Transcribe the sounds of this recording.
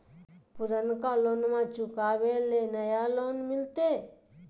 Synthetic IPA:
pʊɾənkaloːnmãt͡ʃʊkaːwelenəjaloːnmɪlt̪e

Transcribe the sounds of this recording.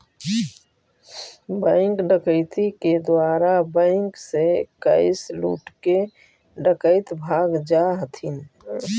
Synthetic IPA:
bə̃ɪŋkɖəkəɪt̪iked̪waːɾabə̃ɪŋksekə̰ɪslṵːʈke | ɖəkəɪt̪bʱaːɡd͡ʒaɦət̪ʰin

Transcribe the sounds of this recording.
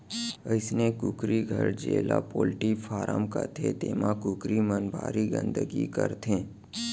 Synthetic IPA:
əɪsnekʊkɾiɡʱəɾd͡ʒeːlapoːlʈifʰaːɾəmkəɾt̪ʰet̪eːmakʊkɾimənbʱa̰ːɾiɡə̰̃nd̪əɡikəɾt̪ʰẽː

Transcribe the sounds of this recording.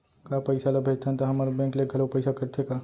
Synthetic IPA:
kaːpɐɪsalabʱeːd͡ʒt̪ʰãnt̪aɦɐmaɾbɛ̃ːkleɡʱɐlopɐɪsakɐɾt̪ʰekaː

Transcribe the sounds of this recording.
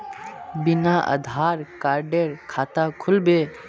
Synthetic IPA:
bɪnaʔə̰d̪ʱaːɾkaːɾɖeɾkʰaːt̪akʰʊlbeː

